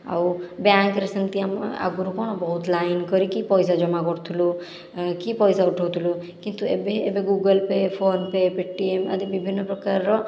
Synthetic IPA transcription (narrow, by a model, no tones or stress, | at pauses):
a̰wbaŋkɾesənt̪iam̰a̰ɡuɾukɔɽ̃ɔbɔɦut̪lajnkɔɾikipɔjsad͡ʒɔmakɔɾt̪ʰulu | kipɔjsauʈʰɔwt̪ʰulu | kint̪uḛbeebeɡuɡəlpepʰonpepeʈːiemə̰d̪ibibʱinːɔpɾɔkaɾɾɔ